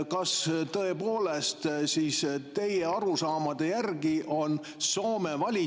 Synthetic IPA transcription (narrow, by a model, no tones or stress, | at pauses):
kɑst̪ɤ̞e̞po̞ːlest̪siːst̪e̞jeɑɾusɑːmɑd̪̥e̞jærɡiʔo̞n | so̞ːmevɑlʲi